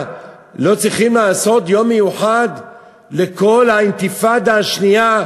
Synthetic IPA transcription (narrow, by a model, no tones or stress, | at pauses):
lo̞t͡sʁiχimlaːso̞t̪jo̞mːejuħad̪ | leko̞lhaint̪ifad̪aʃnija